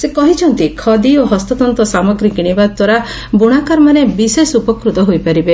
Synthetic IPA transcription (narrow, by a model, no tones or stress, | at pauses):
sekɔɦit͡ʃʰɔnt̪ikʰɔd̪ioɦɔst̪ɔt̪ɔnt̪ɔsamɔɡɾiɡiɽ̃ibad̪d̪wɔɾa | buɽ̃akaɾmanebisesupɔkɾut̪ɔɦojpaɾibe